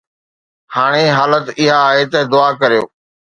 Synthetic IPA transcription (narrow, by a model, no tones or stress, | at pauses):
haːɽ̃eɦaːlət̪ɪɦaːɦeːt̪ɐd̪ʊaːkəɾijo̰ː